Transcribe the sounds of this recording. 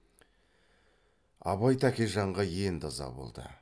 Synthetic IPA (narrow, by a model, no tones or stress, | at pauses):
ɑ̰bɑjt̪ækʲeʒɑɴʁɑje̞nd̪ɑzɑ̰bo̰lˠd̪ə̰